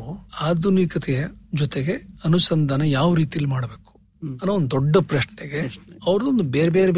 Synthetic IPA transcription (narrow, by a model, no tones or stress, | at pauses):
aːd̪ʱunikɐt̪ʰɛjɐd͡ʒɔt̪eɡe̞ɐnusɐnd̪ʱaːnɐjaːʋɐɾiːt̪ijɐlːimaːɽɐbe̞ːku̥ | ɐnoond̪ud̪ɔɖːɐpɾɐʃnɛɡeɐʋɐɾɐd̪ond̪ubeːɾebeːɾeb